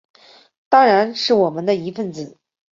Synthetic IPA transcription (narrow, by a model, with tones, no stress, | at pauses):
t̪ɑ˥ŋɻa˧˥nʂɻ̩˥˩wɔ˨˩mə˦nd̪ə˧i˧˥fə˥˧nt͡sɹ̩˨˩˦